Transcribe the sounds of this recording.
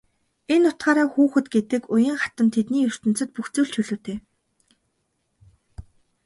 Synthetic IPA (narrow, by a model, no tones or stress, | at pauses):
enːʊt̪ɢaːɾaːxuːxɘ̆t̪ɡet̪ɘ̆kʊjə̆ːŋχḁt̪ə̆nt̪ʰet̪niːjɵr̥t̪ɵ̆nt͡sɘ̆t̪̚puxt͡suːɮt͡ɕʰɵɮoːt̪eː